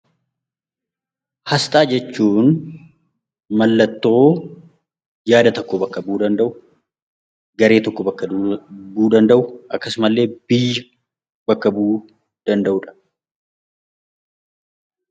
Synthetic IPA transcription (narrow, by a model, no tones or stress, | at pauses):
hɐst̪ʼaːd͡ʒɛt͡ʃːuːn | mɐlːɐt̪ːo̞ː | jaːd̪ɐt̪ɔkːobɐkːɐbuːd̪ɐnd̪ɐʔʊ | ɡɐɾe̞ːt̪ɔkːɔbɐkːɐbuːd̪ɐnd̪ɐʔʊʔɐkːɐsʊmɐlːe̞ːbɪjːɐ | bɐkːɐbuː | d̪̥ɐnd̪ɐʔʊᶑɐ̥